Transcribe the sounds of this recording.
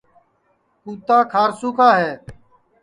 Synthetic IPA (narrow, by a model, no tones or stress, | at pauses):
puːt̪aːkʰaːɾsuːkaːɦeː